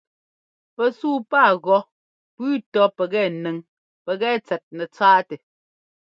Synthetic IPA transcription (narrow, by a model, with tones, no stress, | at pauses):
pɛ˨suː˦paː˦˨ɣɔ˨ | pʉː˦tɔ˦pɛ˨ɣɛː˦˨nɛ˨ŋ | pɛ˨ɣɛː˦t͡sɛ˨t̚nɛ˨t͡saː˦tɛ˨